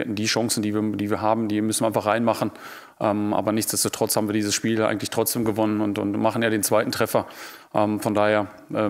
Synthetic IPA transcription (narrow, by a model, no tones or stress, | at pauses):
ɛ̰tn̩diːʃɔŋsn̩diːviːɐd̥iːviːɐɦaːbm̩diːɐmʏsn̩iaɪnfaχʁaɪnmaχn̩ | ʔɛːmʔa̰ːbɐnɪçt͡sd̥ɛstoːtʁ̥ɔt͡shaːbm̩viɐdiːzəsʃpiːljaʔaɪɡŋ̩tlɪçtʁ̥ɔt͡sd̥eːmɡəvɔnənʊntʊ̰ntmaχn̩jaːɾeːnt͡sv̥aɪtn̩tʁ̥ɛfɐ | ʔɛːmfɔndaːheːɐ | ʔɛː